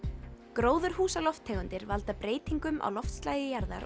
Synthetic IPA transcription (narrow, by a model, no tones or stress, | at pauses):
kɾoːwðʏɾ̥huːsalɔft̪ʰːɛːɣʏnt̪ɪɾvalt̪apɾeːjt̪iŋkʏmʔa̰wlɔft̪st̪laːjɪjaɾða̰ɾ